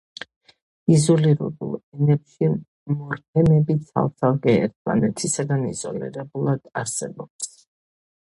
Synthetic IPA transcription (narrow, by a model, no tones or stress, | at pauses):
izɔliɾɛ̰bṵlˠɛnɛpʃi | mɔɾt̪ʰɛnɛbit̪sʰa̰lˠsalˠkʼɛɛ̰ɾt̪ʰma̰nɛt̪ʰisaɡanḭz̥ɔ̰lḭɾɛbulˠad̪̥aɾsɛbɔps